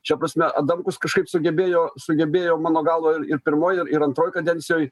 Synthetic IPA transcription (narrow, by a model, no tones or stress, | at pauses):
t͡ʃʲɛpɾɐsʲmʲɛʔɐ̰d̪ɐmkʊskɐʃkɐɪpsʊɡʲɛbʲeːjoːsʊɡʲɛbʲeːjoːmɑːnoːɡɑːlˠʋoːɪɾɪɾpʲɪɾmoːjɪɾɪɾɐnt̪ɾoːjkɐd̪ʲɛnʲtsʲɪjoːj